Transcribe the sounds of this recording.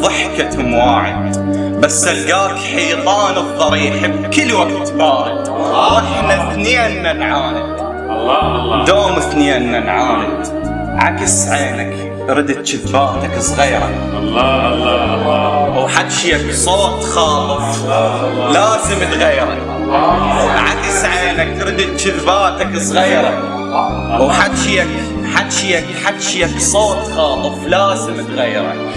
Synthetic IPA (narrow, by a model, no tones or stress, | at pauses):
ðˤɑħkat̪amwaːʕɪ̰ | basːalɡaːkħiːt̪ˤɑːnɨðˤːɑɾiːħabkɪlːwaɡt̪bɑːɾˤ | ʔɪħnaθnianːanʕaːnɪ | d̪oːmɪθninːanʕaːnɪ̰l | ʕa̰kɪsʕeːnak | ɾɪd̪ɪt̪t͡ʃɪt̪faːʔt̪akɨsˤɣiːɾˤɑ̰ | ʔɑlˤːɑlˤːɑlːɑwħat̪ːʃjaksˤoːt̪xɑːlˤɨfˤ | laːzɪmt̪ɣajːɾˤɑ̰k | ʕa̰kɪsʕeːnak̪̚ɾɪd̪ɪt̪t͡ʃɪðbaːʔt̪akɨsˤɣiːɾɑk | wħat̪ʃjak | ħat̪ːʃjakħat̪ːʃjaksˤoːt̪xɑːt̪ˤɨfˤlaːzɪmt̪ɣajːɾˤɑ̰k